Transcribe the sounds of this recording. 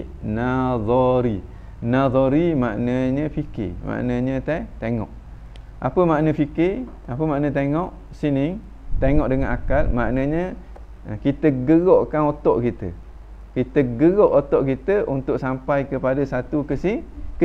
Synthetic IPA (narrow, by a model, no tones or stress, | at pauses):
naðɔɾi | naðɔɾimaʔnə̃ɲə̃fikɪ̰ma̰ʔnəɲət̪at̪eŋɔ̰ʔ | ʔa̰pəmaʔnəfikɪ | apəmaʔnə̃t̪̬eŋɔʔ | sinɪŋ | t̪eŋɔʔdəŋanakalmaʔnə̃ɲə | kit̪əɡəɡɔʔkanot̪ɔʔkit̪ə̰ | kit̪əɡəɡɔʔot̪ɔʔkit̪əʔunt̪ʊʔsampajkəpadəsat̪ukəsɪŋkə